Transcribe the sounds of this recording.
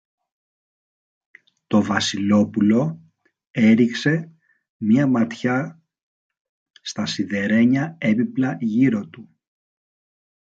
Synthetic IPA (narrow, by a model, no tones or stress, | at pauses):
t̪o̞vɐsilo̞pulo̞ | e̞ɾikse̞ | miɐmɐt̪çɐ | st̪ɐsiðe̞ɾe̞ɲɐe̞biplɐʝiɾo̞t̪u